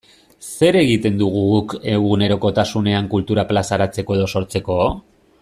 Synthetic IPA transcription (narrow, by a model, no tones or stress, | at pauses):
se̞ɾe̞ɣit̪e̞nd̪uɣ̞uɣuke̞ɣune̞ɾo̞ko̞t̪asune̞aŋkult̪uɾaplasaɾat͡se̞ko̞e̞ð̞o̞so̞ɾt͡se̞ko̞